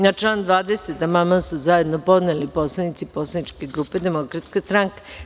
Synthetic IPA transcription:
nat͡ʃlˠand̪ʋaːd̪eset̪amamasuzajed̪no̞po̞d̪nelipo̞slˠanit̪sipo̞slanit͡ʃke̞ɡɾuːped̪emo̞kɾat̪skast̪ɾaŋke

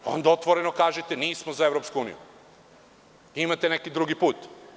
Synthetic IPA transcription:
o̞̰nd̪aot̪ʋoɾe̞nokaːʒet̪eniːsmozaevɾopskuuːnḭjṵ | imat̪enekid̪ɾuɡipuːt̪

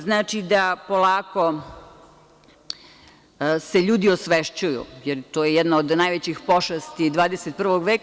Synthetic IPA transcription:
znaːt͡ʃid̪apolaːko̞ | seʎuːd̪iosʋeʃt͡ɕujṵjeɾt̪oːjejɛd̪naod̪naːjʋet͡ɕixpo̞ʃast̪id̪ʋaːd̪eset̪̚pr̩ʋoɡʋeːk

